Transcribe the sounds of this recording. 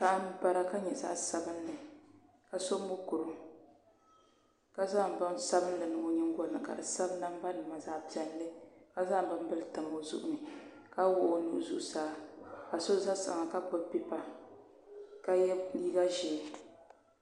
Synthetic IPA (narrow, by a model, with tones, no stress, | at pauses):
ka˨˦m˦ba˦ɾa˦ka˦ɲɛ˨za̰˦ʔsa˦bɨ˦nː˦ɨ˨ | ka˨so˦mʊ˦ku˨ɾɨ˦m | ka˦za˦˨m˨ba˦msa˦bɨ˦n˦dɨ˨nɨ˨ŋo˨˦ɲɛ˦ŋ˦ɡɔ˦nɨ̰˨ka̰˨dɨ˨sa˦bna˦m˦ba˦nɨ˨ma˨za˦pi˨ɛ˨n˦lɨ˦ka˦za˦m˦ba˦m˦bɨ˦ltɨ˨mo˨zṵ˦ʔʊ̰˦nɨ˨ | ka˦wʊ˦o˦nṵ˦ʔzṵ˦ʔsaː˨˦ka˨so˦za˦sa̰˨ŋa˨ka˦bʊ˦pi˦pa˨ | ka˦jɛ˦liː˦ɡa˦ʒɛ˨